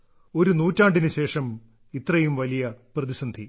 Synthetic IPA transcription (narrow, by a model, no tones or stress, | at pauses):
o̞ɾunuːtːaːɳɖinɨɕe̞ːʂɐm | it̪rɐjumʋɐlijɐprɐðisɐnd̪ʱi